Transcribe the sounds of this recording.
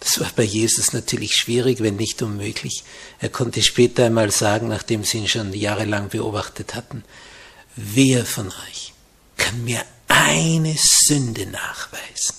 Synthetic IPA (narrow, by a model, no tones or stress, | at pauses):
d̥ḁsv̥aːɐbaɪjeːzʊsnatʰyːɐlɪçʃv̥iːʁɪçvɛnːɪçtʔʊnmøːɡlɪçʔeːɐkʰɔntəʃpɛːtɐaɪnmaːlz̥aːɡŋ̩naːχd̥eːmz̥iːiːnʃoːnjaːʁəlaŋb̥əʔo̰ːbaχtʰəthatn̩ | veːɐfɔnɔʏç | kʰanmiːɐ | ʔaɪnəz̥ʏndəna̰ːχv̥aɪz̥n̩